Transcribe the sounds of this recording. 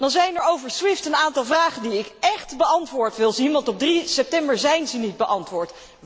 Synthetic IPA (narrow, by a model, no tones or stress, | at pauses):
dɑnzɛjnɛɹowvəɹswɪftənaːntɑlˠvraːχəndiɪkɛχtbəɑntʋʊːɹtʋɪlˠzinʋɑntɔb̚drisɛp̚tɛmbəɹzɛjnzənit̚bəʔɑntʋʊːɹt